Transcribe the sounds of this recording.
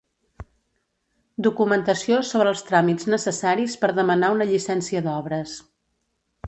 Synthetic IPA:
d̪ukumənt̪əsiosoβɾəːlˠst̪ɾamid͡znəsəsaɾispəɾðəmənaunəʎisɛnsiəðɔβɾəs

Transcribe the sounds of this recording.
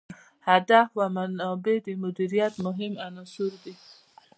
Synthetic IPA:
had̪afwamanɑbed̪emʊd̪iɾijat̪mʊɦɪmanɔsuɾd̪i

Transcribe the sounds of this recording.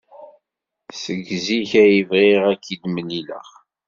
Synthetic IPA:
səɡziçæjivʁiʁækːid̪mənilə̰ʁ

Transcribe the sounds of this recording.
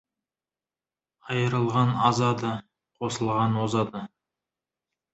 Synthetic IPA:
ɑjəɾəlˠʁɑnɑzɑd̪ə | qʰo̞səlˠʁɑnwozɑd̪ə

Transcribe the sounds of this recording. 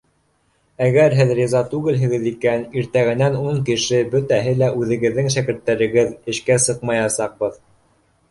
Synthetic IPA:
æɣæɾɦɘðrʲizɑt̪ʉɡɘlɦɘ̆ɡɘ̆ðikæniɾt̪æɣɘ̆nænuɴkɘ̆ʃɘbɵt̪æɦɘlæʔʉðɘ̆ɡɘ̆ðːɘŋʃækɘ̆ɾt̪ːæɾɘ̆ɡɘðɘ̆ʃkæsɤq̚mɑjɑsɑq̚bɤð

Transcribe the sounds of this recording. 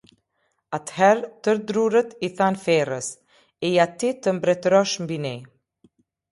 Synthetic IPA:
at̪hɛɾt̪əɾd̪ɾurət̪iθanfɛrəs | ɛjat̪it̪əmbɾɛt̪ɾɔʃmbinɛ

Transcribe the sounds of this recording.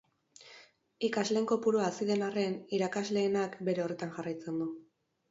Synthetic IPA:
ikazle̞ːŋko̞puɾoaːsiðe̞nare̞niɾakazle̞ːnakbe̞ɾe̞o̞re̞t̪anʝarajt͡se̞nd̪u

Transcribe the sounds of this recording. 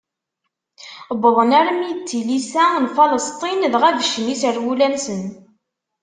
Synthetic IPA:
bəðˤənæɾəmjət͡sːilisænfɑləst̪ˤinðʁævəʃənisəɾwulænsən

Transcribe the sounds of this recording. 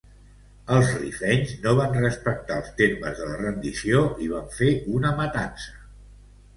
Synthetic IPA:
əlˠzrifɛɲznoβ̞anrəspək̚t̪alˠst̪emə̰zðələrənd̪isioiβaɱfeunəmət̪ansə̥

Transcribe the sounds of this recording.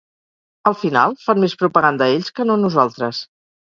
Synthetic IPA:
əlˠfina̰lˠfanmespɾupəɣand̪əeʎʲskənonuzalˠt̪ɾəs

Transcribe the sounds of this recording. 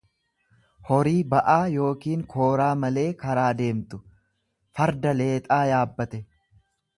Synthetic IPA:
hɔɾiːbɐʔaːjo̞ːkiːŋkʰo̞ːɾaːmɐle̞ːkɐɾaːd̪e̞ːmt̪ʊ | fɐɾd̪ɐle̞ːt̪ʼaːjaːbːɐt̪ɛ

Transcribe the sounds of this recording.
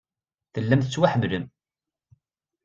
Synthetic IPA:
θəlːæmθət͡sːwaħəmːləm

